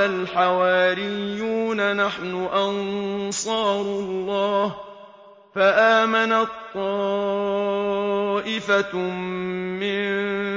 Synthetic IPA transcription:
alħawaːɾɪjːuːnanaħnʊʔɑnsˤɑːɾˤʊlˤːɑːh | faʔaːmanat̪ˤːɑː | ʔɪfa | mɪn

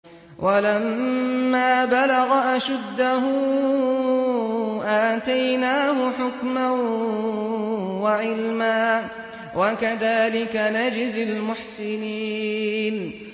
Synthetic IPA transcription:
wʔalammːaːbalaɣaʔaʃad̪ːaɦʊ | ʔaːt̪ajnaːhʊħʊkman | waʕɪlmaː | wʔakaðaːlɪkanad͡ʒɪzɪlmʊħsɪniːn

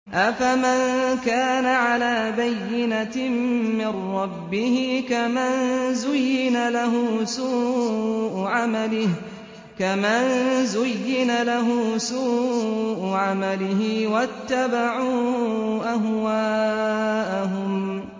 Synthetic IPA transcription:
ʔafamankaːnaʕalaːbajːɪna | mɪrˤːɑbːɪhɪkamanzʊjːɪnalaɦʊsuːʔʊʕamalɪh | kamanzʊjːɪnalaɦʊsuːʔʊʕamalɪɦɪwat̪ːabaʕuːʔaɦwaːʔaɦʊm

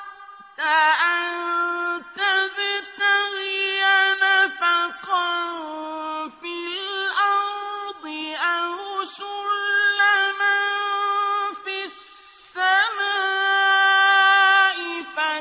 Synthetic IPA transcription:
t̪aʔant̪aðt̪aɣjanafaqɑɾ | filʔɑɾd̪ˤɨʔaɾʊsʊlːama | fissː | amaː | ʔɪfa

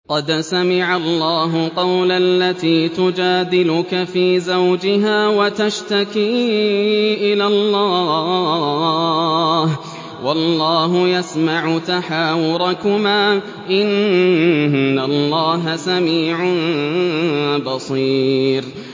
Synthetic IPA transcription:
qɑd̪samɪʕalːɑːɦʊqɑwlalːat̪iːt̪ʊd͡ʒaːd̪ɪlʊkafiːzawd͡ʒɪɦaːwat̪aʃt̪akiː | ʔɪlalːɑː | h | wʔɑlːɑːɦʊjasmaʕʊt̪aħaːwʊɾˤɑkʊmaː | ʔɪn | alˤːɑːɦasamiːʕʊn | bɑsˤiːɾ

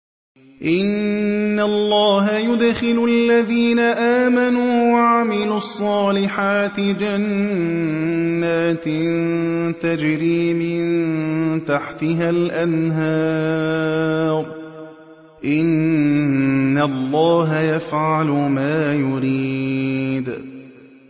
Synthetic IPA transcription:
ʔɪnːalˤːɑːɦajʊd̪xɪlʊʔalːaðiːnaʔaːmanuːwaʕamɪluɑsˤːɑːlɪħaːt̪ɪd͡ʒan | aːt̪ɪnt̪ad͡ʒɾiːmɪnnt̪aħt̪ɪɦalʔanɦɑː | ɾˤ | ʔɪn | alˤːɑːɦajafʕalʊmaːjʊɾiːd̪

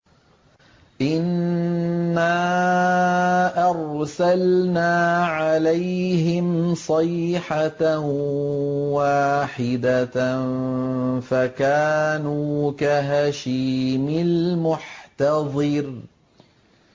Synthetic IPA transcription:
ʔɪnː | aː | ʔɑɾsalnaːʕalajhɪmsˤɑjħa | waːħɪd̪a | fakaːnuːkaɦaʃiːmɪlmʊħt̪ɑðˤɨɾ

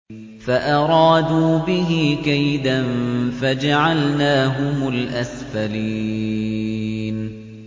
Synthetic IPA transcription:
faʔɑɾˤɑːd̪uːbɪɦɪkajd̪anfad͡ʒaʕalnaːɦʊmʊlʔasfaliː | n

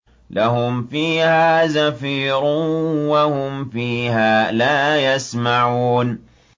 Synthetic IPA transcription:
lahʊmfiːhaːzafiːɾʊwahʊmfiːhaːlaːjasmaʕuːn

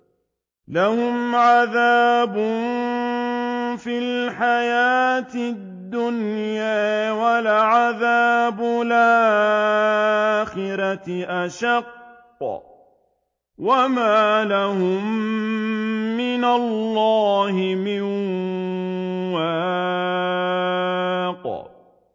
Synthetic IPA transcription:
lahʊmʕaðaːbʊ | filħajaːt̪ɪd̪ːʊnjaːwalaʕaðaːbʊla | xɪɾɑtʔaʃɑqː | wamaːlahʊm | ɪnalːɑːhɪmɪn | waː | q

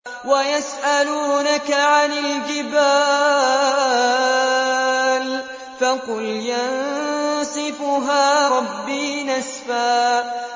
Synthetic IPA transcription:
wajasʔaluːnakaʕanɪld͡ʒɪbaː | l | fɑqʊljansˤɨfʊɦaːɾˤɑbːiːnasfaː

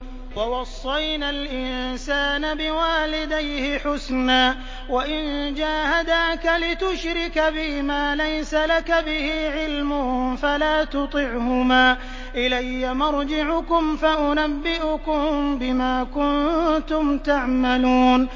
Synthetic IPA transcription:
wɑwɑsˤːɑjnalʔɪnsaːnabɪwaːlɪd̪ajhɪħʊsnaː | waʔɪnd͡ʒaːhad̪aːkalɪt̪ʊʃɾɪkabɪmaːlajsalakabɪhiːʕɪlmʊhfalaːt̪ʊt̪ˤɨʕhʊmaː | ʔɪlajːamɑɾˤd͡ʒɪʕʊkʊmfaʔʊnabːɪʔʊkʊmbɪmaːkʊnt̪ʊmt̪aʕmaluːn

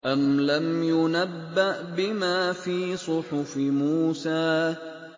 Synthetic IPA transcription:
ʔamlamjʊnabːaʔbɪmaːfiːsˤʊħʊfmuːsaː

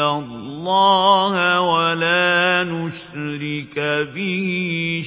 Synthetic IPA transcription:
alˤːɑːhwalaːnʊʃ | ɾɪkabɪh

